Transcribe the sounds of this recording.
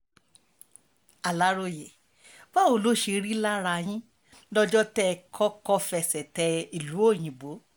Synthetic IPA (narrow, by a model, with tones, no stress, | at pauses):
a˨la˨˦ɾo˧je˨ | ba˦o˨lo˨˦˨ʃe˧ɾi˦la˦ɾa˧j̃ĩ˦ | lɔ˦d͡ʒɔ˦tɛ˦˧kʰɔ˦kɔ˦fɛ˧˨sɛ˨tɛ˧i˨lu˨˦o˦˨j̃ĩ˨bo˨˦